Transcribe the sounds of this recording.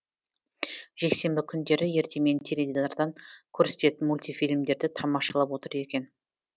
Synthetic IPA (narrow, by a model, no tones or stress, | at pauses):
ʒ̥e̞kse̞mbɪkʲʰʏnd̪e̞ɾɪje̞ɾt̪e̞me̞nt̪ʰeɾed̪iɑɾd̪ɑŋkʲʰɵɾse̥t̪e̞t̪ɪnmulʲt̪ijfijlʲmd̪e̞ɾd̪ɪt̪ʰɑmɑʃɑlˠɑpwo̞t̪əɾje̞kʲe̞n